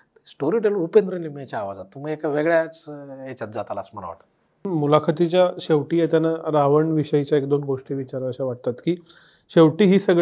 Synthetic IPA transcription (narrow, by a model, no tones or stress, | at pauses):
sʈoɾiɖəlupend̪ɾənːimiet͡ɕaːʋad͡zat̪ːumiekaʋeɡɭjat͡set͡ɕjat͡sd͡zat̪ala̰sm̤əna̰ʋa̰ʈḁ | mulakʰət̪it͡ɕjaɕeʋʈiːjet̪janaɾaʋəɳʋiɕəit͡ɕjaek̚d̪onɡoʂʈiːʋit͡ɕaɾəəɕaʋaʈ̚t̪at̪kiː | ɕeʋʈiːɦiːsəɡ